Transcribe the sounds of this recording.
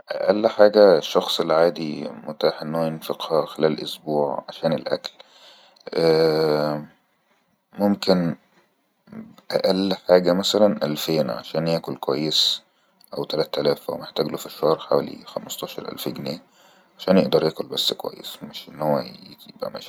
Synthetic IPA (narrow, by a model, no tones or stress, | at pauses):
ʔæ̰ʔælːħaːɡæʃːɑxsˤelːʕaːd̪imʊt̪aːħʔenːhowːæjenfɑqhæxelæːlʔosbuːʕʕa̰ʃæːnelʔæ̰kl | ʔæː | momken | ʔæ̰ʔælːħaːɡæmæsælænʔælfeːnʕa̰ʃæːnjæːkolkowæjːes | ʔæwt̪ælæːt̪ːʔælæːfʔæ̰wmeħt̪æːɡlofiʃːɑhɾˤħa̰wælḭxæmɑst̪ˤɑːʃɑɾˤʔæ̰lfeɡnæː | ʕaʃæːnjeʔd̪ɑɾˤjæːkolbæsːkowæ̰jːḛsmeʃʔenːhowːæ̰jjebʔæ̰mæ̰ʃ